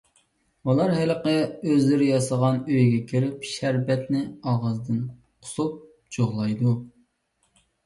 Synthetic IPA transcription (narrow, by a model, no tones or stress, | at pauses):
ulˠɑɾɦɛləqəøzlɪɾɪjɑsəʁɑnøjɡʲɛkʲʰiɾɪpʃæɾbɛt̪nɪɑʁɑzd̪ɨn | qʰʊ̥sup̚ | d͡ʒoʁlˠɑjd̪u